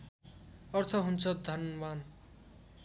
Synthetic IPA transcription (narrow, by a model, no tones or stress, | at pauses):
ʌrt̪ʰʌɦunt͡sʰʌd̪ʱʌnman